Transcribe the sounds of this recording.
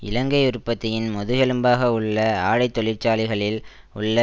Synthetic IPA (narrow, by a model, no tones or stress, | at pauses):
ʔɪ̰lɐŋɡɐɪʊɾɯpːɐt̪ːɐjɪnmɔðɯɣɐlɯmbaːɣɐʊɭːɐaːɻɐɪt̪ːɔɭɪɾt͡ʃaːlɪɣɐɭɪl | ʊɭːɐ